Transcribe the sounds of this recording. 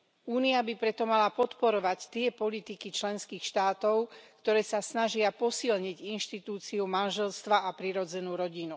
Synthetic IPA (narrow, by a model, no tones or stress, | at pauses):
uːniabipɾɛt̪ɔmalapɔt̪pɔɾɔʋact̪ɪɛpɔlit̪ikit͡ʃlɛnskiːxʃt̪aːt̪ɔʊkt̪ɔɾɛːsasnaʒɪapɔsilɲiɟinʃt̪it̪uːt͡siumanʒɛlst̪ʋaapɾiɾɔd͡zɛnuːɾɔɟinu